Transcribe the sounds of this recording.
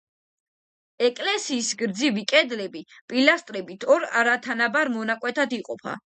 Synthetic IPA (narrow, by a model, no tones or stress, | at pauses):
ɛkʼlɛsiːsɡɾd̪zivikʼɛd̪lɛbipʼilast̪ʼɾɛbit̪ʰɔɾaɾat̪ʰanabaɾmɔnakʼwɛt̪ʰad̪iqʼɔpʰa̰